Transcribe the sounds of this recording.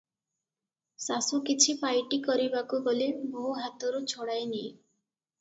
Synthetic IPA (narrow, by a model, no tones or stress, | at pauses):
sasukit͡ʃʰipajʈikɔɾibakuɡɔliboɦuɦat̪ɔɾut͡ʃʰoɽajni